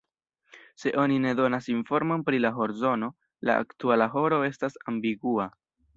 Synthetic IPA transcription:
se̞ʔo̞nine̞do̞nasinfo̞ɾmo̞npɾilaɦo̞ɾzo̞no̞ | la̰a̰ktualaɦo̞ɾo̞e̞stasambiɡua

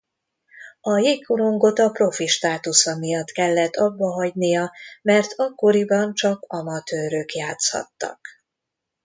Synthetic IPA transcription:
ɒjeːkːuɾo̞ŋɡo̞t̪ɒpro̞fiʃt̪aːt̪usɒmijɒt̪kɛlːɛt̪ʰːɒbːɒɦɒɟnijɒmɛrt̪ʰɒkːo̞ɾibɒnt͡ʃɒkɒmɒt̪øːɾøkjaːt̪shɒ̰t̪ːɒ̰k

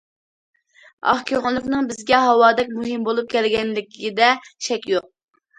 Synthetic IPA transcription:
ɑ̰χkʲʰøŋɨlˠːɨqnɨŋbɪzɡʲɛɦɑwɑːd̪ɛk̚ʲmuɦɨmbolˠup̚kʲʰɛlɡʲɛnlɪkʲʰid̪ɛʃɛkʲjoq̚

